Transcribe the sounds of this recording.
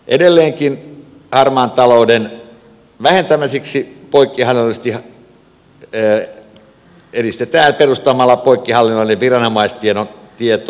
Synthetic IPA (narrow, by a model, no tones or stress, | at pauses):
ʔedelːeːŋkin | hɑrmɑːnt̪ɑlouden | ʋæhent̪æmæsiksipoikːihɑlːinolˑist̪ih | eɾist̪et̪æːnperust̪ɑmɑlːɑpoikːihɑlːinːoilːeʋʋirɑnomɑist̪ienont̪iet̪o